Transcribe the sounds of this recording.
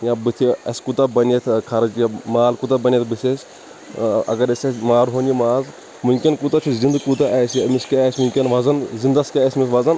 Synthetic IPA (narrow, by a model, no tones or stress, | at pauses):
jãbɨt̪ʰiɐsʲkut̪ɐbɐnjɐt̪ʰkʰɐɾɐd͡ʒjamaːlkut̪ɐbɐnʲjɐt̪ʰbɨsʲesʲ | ɐ̰ɡɐɾɐsʲɐmaːɾɦoːnjimaːz | mumʲkʲinkut̪ɐt͡ʃ̪ʰizind̪kut̪ɐʔɛːsmiskeːsʲmuŋkʲinʋɐzɐnzind̪ɐskeesʲmisʋɐzɐn